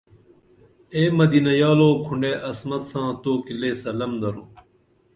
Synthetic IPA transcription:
eːmɐd̪iːnɐjaːloːkʰuɳɖeːʔɐsmɐt̪sãːt̪oːkileːsɐlɐmd̪ɐɾõː

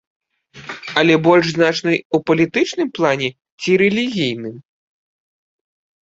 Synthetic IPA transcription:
ɐlʲɛbɔlʲʐznat͡ʂnɐjupɐlʲit̪ɨt͡ʂnɨmplˠanʲɛ | t͡sʲiɾɛlʲiɣʲijnɨm

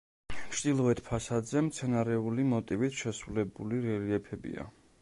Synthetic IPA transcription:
ʃd̪ilˠɔɛt̪ʰpʰasad̪zɛmt̪sʰɛnaɾɛulimɔt̪ʼivit̪ʰʃɛsɾulɛbuliɾɛliɛpʰɛbḭa̰

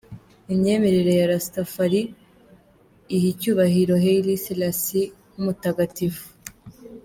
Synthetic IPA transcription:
imɲe̞ːme̞ɾeɾe̞jaɾastafaɾi | hicuːβaɦiɾo̞ɦelisilasi | numutaɡatifu̥

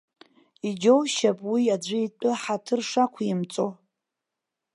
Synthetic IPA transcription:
id͡ʒowʃapʼwiad͡ʒʷɨitʷʼʊħatʰɨrʂakʷʰimt͡sʼo

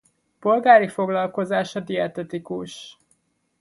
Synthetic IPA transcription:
po̞lɡaːɾifo̞ɡlɒlko̞zaːʃɒd̪iɛt̪ɛt̪ikuʃ

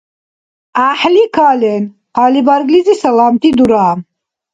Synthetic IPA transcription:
aħlikʰalɛn | qʰalibaɾɡlizisalamt̪ʰid̪uɾaːm

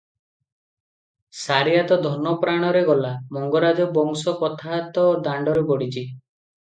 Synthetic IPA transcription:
saɾijat̪ɔd̪ʱɔnɔpɾaɽ̃ɔɾeɡɔlamɔŋɡɔɾad͡ʒɔbɔŋsɔkɔt̪ʰat̪ɔd̪aɳɖɔɾebɔɽit͡ʃʰi

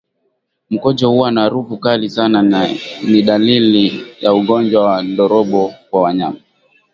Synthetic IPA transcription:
m̩kɔd͡ʒɔhuwanaɾufukalisananiɗalilijauɠɔnd͡ʒwawaɗɔɾɔɓɔkwawaɲama

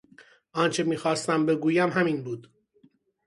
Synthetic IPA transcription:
ʔɒːnt͡ʃʰe̞miːxɒːst̪æmbe̞ɡuːjæmɦæmiːnbuːd̪̥

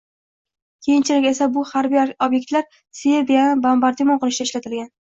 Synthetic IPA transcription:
kʲʰejɪnt͡ʃʰɪlɪkʲe̞sabʊhaɾbijobje̞k̚ʲt̪laɾ | sebijanɪbambaɾt̪ʰimonqɨlˠɪʃd̪aɪʃlat̪ʰɪlɡʲan

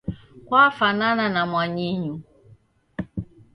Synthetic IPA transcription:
kwafanananamwaɲiɲu

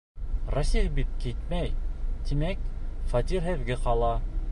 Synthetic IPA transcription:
rosʲijbit̪̚kit̪̚mæjt̪imæk̚fɑt̪ʲiɾɦɘ̆ðɡɘqɑlˠɑ

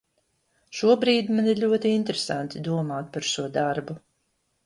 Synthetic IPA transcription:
ʃuɔbɾiːd̪maniɾʎʲuɔt̪iint̪ɾesant̪id̪uɔmaːt̪̚paɾʃuɔd̪aɾbu

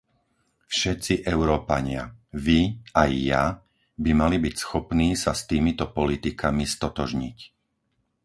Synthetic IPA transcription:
fʃɛt̪t͡siʔɛʊɾɔːpa̰ɲɪa̰ʋiajːa | bimalibicsxɔpniːsast̪iːmit̪ɔpɔlit̪ikʰamist̪ɔt̪ɔʒɲic

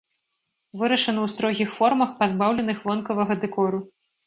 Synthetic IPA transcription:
vɨɾɐʂɐnɐwst̪ɾɔɣʲixfɔrmɐxpazbawlʲɛnɨxvɔnkɐvɐɣɐd̪ɛkɔɾu

